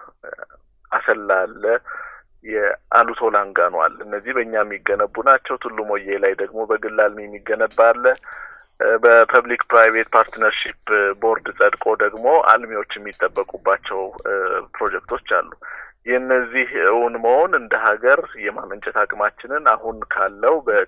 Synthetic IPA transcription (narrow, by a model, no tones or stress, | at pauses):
asəlːalːə | jɛʔa̰lut̪ʰo̞laŋɡanwa̰lːɨnːəzːihbəɨɲːamːiɡːənəbːunat͡ʃːɛwt̪ʰɨlːumo̞jelajd̪əɡmo̞bəɡɨlːalmiɛmːiɡːənəbːalːə | bəpʰəβlikpɾajve̞t̪̚pʰaɾt̪nəɾʃipbo̞ɾd̪sʼəd̪kʼo̞d̪əɡmo̞a̰lmewo̞t͡ʃːjɛmːit̪ʼːəbːəkʼubːat͡ʃːɛwpɾo̞d͡ʒɛk̚t̪ʰo̞t͡ʃːa̰lːujɛɨnːəzːihɨwunməho̞nɨnd̪əɦaɡəɾjɛmamənt͡ʃʼɛt̪ʰakʼɨmat͡ʃːɪnɨnahunkʰalːəwubə